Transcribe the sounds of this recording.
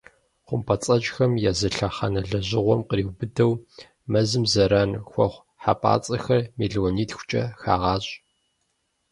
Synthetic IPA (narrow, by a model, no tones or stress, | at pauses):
χʷʊmpʰɐt͡sʼɐt͡ʃʼxɐmjazɐɬɐχɐnɐɮɐʑɪʁʷɔmqəriːwbɨdɐw | mɐzɨmzɐɾanxʷɔχʷ | ħa̰pʼa̰ːt͡sʼɐxɐrmiːɮoːniːtxʷʊ̥t͡ʃʼɐ̰xa̰ːʁɑːɕʼ